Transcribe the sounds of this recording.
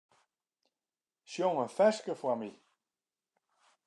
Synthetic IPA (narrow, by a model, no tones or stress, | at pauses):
ʃjoŋənfɛskəfwami